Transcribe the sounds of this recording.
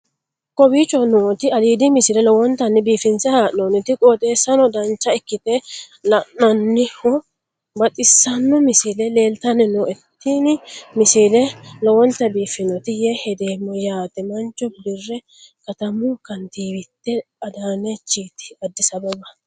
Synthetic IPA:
kɔbiːt͡ʃʼːɔnoːt̪ɪɐd̪iːd̪ɪmɪsɪlɛlɔwɔnt̪ɐnːɪbiːfɪnsɛhaːʔnoːnɪt̪ɪkʼɔːt̪ʼe̞ːsːɐnɔd̪ɐnt͡ʃːɐɪkːɪt̪ɛ | lɐʔɐnːɪhɔ | bɐt̪ʼɪsːɐnːɔmɪsilɛle̞ːlt̪ɐnɛnɔʔɛt̪ːiːnɪmɪsilɛlɔwɔnt̪ːɐbiːfɪnɔt̪ɪjɛhɛd̪eːmːɔjaːt̪ɛmɐnt͡ʃɔbb̪ɪrːɛ | kɐt̪ɐmʊkɐnt̪iːbɪt̪ːɛ | ɐd̪aːnet͡ʃːiːt̪ɪ̥ɐd̪ːɪsɐbɔbɐ

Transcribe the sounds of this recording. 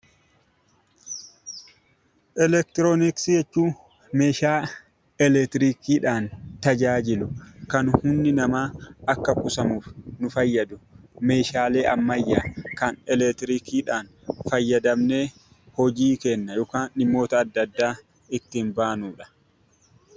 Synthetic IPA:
ʔɛlɛk̚t̪ɪɾoːnɪksjɛt͡ʃːuː | me̞ːʃaː | ɛlɛt̪ɪɾiːkiːᶑaːnt̪ɐd͡ʒaːd͡ʒɪlʊkɐnhʊnːɪnɐmaːɐkːɐkʊsɐmuːfnʊfɐjːɐd̪ʊme̞ːʃaːleːʔɐmːɐjːaːkɐnɛlɛt̪ɪɾiːkiːᶑaːn | fɐjːɐd̪ɐmne̞ː | hɔd͡ʒiːkɛnːɐjɔːkaːnɪmːo̞ːt̪ɐːd̪ːɐd̪ːaː | ɪt̪ːɪːnbaːnuːᶑɐ̥

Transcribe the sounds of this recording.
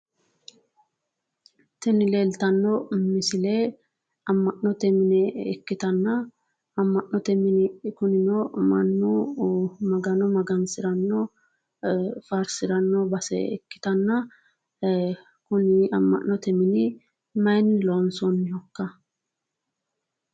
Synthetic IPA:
t̪ɪnɪle̞ːlt̪ɐnːɔmɪsɪleː | ɐmːɐʔnɔt̪ɛmɪnɛɛkːɪt̪ɐnːɐ | ɐmːɐʔnɔt̪ɛmɪnɪkʊnɪnɔmɐ̰nːu | mɐɡɐnɔmɐɡɐnsɪɾɐnːɔ | fɐɾsɪɾɐnːɔbɐsɛ̰ɛ̰kːɪ̥t̪ɐnːɐ | kʊnɪɐmːɐ̰nːɔt̪ɛmɪnɪ | mɐjnːɪlonsɔnːɪjɔkːɐ

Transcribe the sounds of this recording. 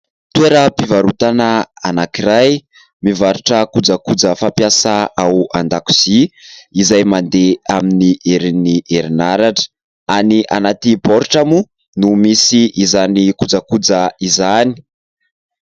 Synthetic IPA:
t̪ueɾəpivaɾut̪anaanakiɾaj | mivaɾuʈ͡ʂəkud͡zakud͡zəfampjasaauand̪aku̥z̥iizajmand̪eaminiʔeɾiniʔeɾinaɾaʈ͡ʂə̥ | aniʔa̰nat̪iboɾuʈ͡ʂamu | numisiʔizanikud͡zakud͡zaizani̥

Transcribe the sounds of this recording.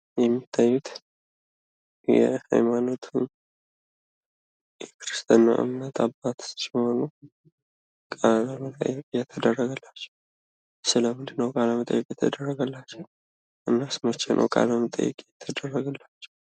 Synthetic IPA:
jɛmːit̪ʰːajːut̪ | jɛ̰ha̰jmano̞t̪ʰun | jɛkʰɨɾɨst̪ʰʼanːa̰ʔɨ̰mnət̪ʰabːat̪sɪmho̞nu | kʼalaməla̰jjɛt̪ʰːəd̪ərːəɡəlːat͡ʃːɛ̥w | sɨləmɨnd̪ɨnːəwkʼaləmət̪ʼə̰jːɛkʼjɛt̪ʰəd̪ərːəɡəlːat͡ʃːɛw | ʔɨnːasmət͡ʃːenʔə̰wkʼa̰ləmət̪ʼə̰jːɛ̰kʼejɛt̪ʰːəd̪ərːəɡəlːat͡ʃːɛ̥w

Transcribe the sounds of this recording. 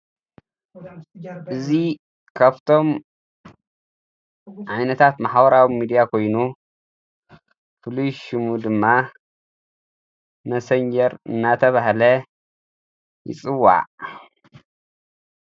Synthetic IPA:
ɨzi | kʰaβt̪ʰo̞m | ʕajnɐt̪ʰat̪maħbɐɾawimid̪ijakʰo̞jnu | fɨlujʃumud̪ɨmːa | mɐsɐɲd͡ʒɐɾɨ̰nːat̪ʰɐβahlɐ | jɪ̰t͡sʼɨwːa̰ʕʔ

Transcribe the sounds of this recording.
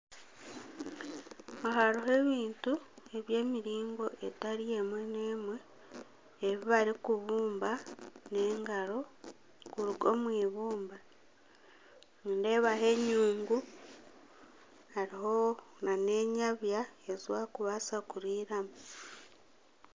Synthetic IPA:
aɦaɾuɦe̞βiːntue̞βje̞ːmiɾiːŋɡo̞ʔe̞taɾije̞mwe̞ne̞ːmwe̞ː | βiβaɾikuβuːmbane̞ːŋɡaɾo̞ | kuɾuɡo̞̰mwiːβuːmba | uːnde̞ːβaɦe̞ɲuːŋɡu | aɾiɦo̞ | nane̞ːɲaβjae̞zwakuβasakuɾiːɾamu

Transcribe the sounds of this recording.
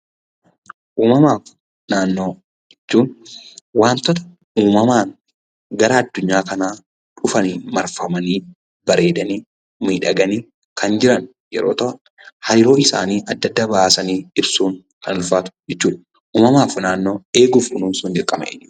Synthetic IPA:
ʔuːmɐmaːf | naːnːo̞ː | d͡ʒɛt͡ʃːuːnwaːnt̪ɔt̪ɐ̥ | uːmɐmaːn | ɡɐɾaɐd̪ːʊɲːaːkɐnaː | ᶑʊfɐniːmɐɾfɐmɐniː | bɐɾe̞ːd̪ɐni | miːᶑɐɡɐniː | kʰɐnd͡ʒɪɾɐn | jɛ̰ɾoːt̪ɐʔɐ | hɐjɪɾo̞ːɪsa̰ːniːʔɐd̪ːɐd̪ːaːbɐʔaːsɐniːɪbsuːŋ | kɐnʊlfaːt̪ʊ̥d͡ʒɛt͡ʃːuːᶑɐ | ʔuːmɐmaːfnaːnːo̞ːe̞ːɡʊfkʊnuːnsʊnd̪ɪkʼːɐmɐ̰d͡ʒ

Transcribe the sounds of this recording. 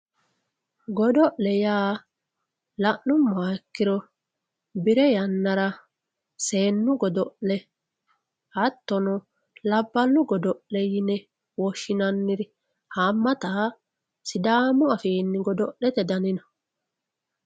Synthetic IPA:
ɡɔd̪ɔʔlɛjaː | lɐʔnʊmːaːkːɪɾɔ | bɪɾɛjɐnːɐɾɐ | se̞ːnːʊɡɔd̪ɔʔlɛ | hɐt̪ːɔnɔ | lɐbːɐnːʊɡɔd̪ɔʔlɛjɪnɛ | wɔʃːɪnɐnːɪɾɪ | haːmːɐt̪aː | sɪd̪aːmɔɐfiːnːɪɡɔd̪ɔʔlɛt̪ɛd̪ɐnɪnɐ̥

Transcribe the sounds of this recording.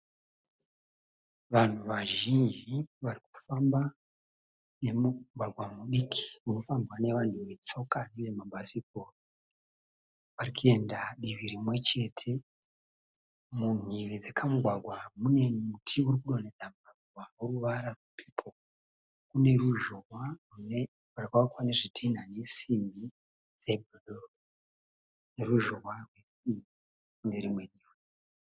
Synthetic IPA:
ʋan̤uʋaʒind͡ʒiʋariku̥famba | ne̞muɡʱwaɡʱwamuɗikʰi̥unofambwane̞ʋan̤uʋe̞t͡so̞kaneʐemaɓasik̚or | ʋaɾikue̞ndaɗiʋiɾimwe̞t͡ʃe̞tʰe̞ | muniɾid͡zakʰamuɡʱwaɡʱwamune̞mutʰiuɾikuɗo̞ned͡zambabwauruʋaɾarupʰi̥pʰo | kune̞ɾuʒo̞rwarune | arikakwaneʐitʰin̤anesimbi | d͡zebʱoɗor | neruʒorwarwe̞sii | kundeɾimwe̞niw

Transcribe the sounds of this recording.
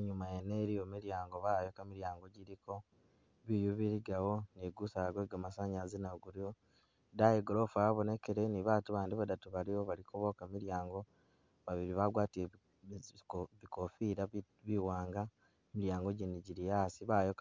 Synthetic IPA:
eɲumajeneɾijomiɾjaːŋɡo̞βaːjo̞kamiɾjaːŋɡo̞ɟiɾiko̞ | βijuβiɾiɡawo̞niɡusaaɡweːɡamasaɲazinaɡuɾio | dajeɡoɾofuaβonekeɾe̞niβaːtuβaːndiβadatuβaliwoβalikuβo̞kamiɾjaːŋɡo̞ | βaβiɾiβaɡwaːtie | βikofiɾa | βiwaːŋɡa | miɾjaːŋɡo̞ɟiniɟiɾijaːsiβajok

